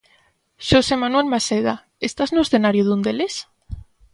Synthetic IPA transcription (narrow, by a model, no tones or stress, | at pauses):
ʃosemanwelmaseða | est̪aznoeðenaɾjoðund̪eles